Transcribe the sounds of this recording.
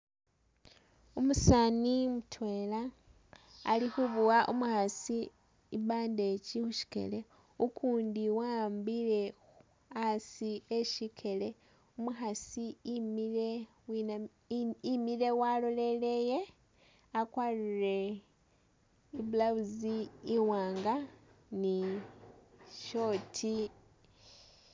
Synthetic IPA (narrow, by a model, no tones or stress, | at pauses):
umusanimutʰwe̞laː | lixuβuwaʔumuxasi | iβaːnde̞t͡ʃixuʃi̥ke̞̰le̞ | ukʰuːndiwaːmbile̞ | u | asieʃikʰe̞le̞ | umuxasimile̞ | wi | imile̞walo̞le̞leje̞ | akwalire̞ | ibulaβuziːwaːŋɡani | ʃo̞tʰi